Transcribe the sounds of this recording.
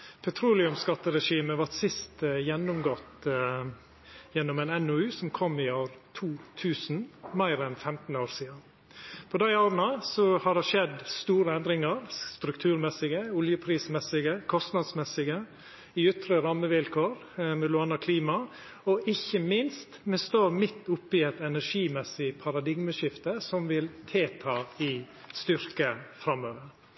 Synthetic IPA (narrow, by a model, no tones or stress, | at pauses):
pʰɛt̪ʰɾuːlɪʉmskɑt̪ːəɾɛʂiːməʋɑʈsɪst̪jɛnːʊmɡɔt̪ː | jɛnːɔmɛnɛnɔʉːsɔmkʰɔmːɪoːɾt̪ʰuːt̪ʰʉːsnmæɪɾɛnfɛmt̪n̩oːɾsiːɑ | pʰɔd̪æɪoːɾnɑsɔhɑɖ̪ɛʂɛd̪st̪uːɾəɛnd̪ɾɪŋɑɾst̪ɾʉkt̪ʰʉːɾmɛsɪɡəʊljəpʰɾiːsmɛsɪɡəkʰɔst̪nɑd̪smɛsɪɡə | ɪʏt̪ɾəɾɑmːəʋɪlkʰoːɾ | mɛlʊɑnɑkʰliːmɑ | ɔʔɪçəmɪnst̪mɛst̪oːɾmɪt̪ːʊpːɪɛɪt̪ɛnæʂiːmɛsɪpʰɑɾɑd̪ɪɡməʃɪft̪əsɔmʋɪlt̪ʰeːt̪ʰɑːɪ | st̪ʏɾkəfɾɑmːøːʋəɾ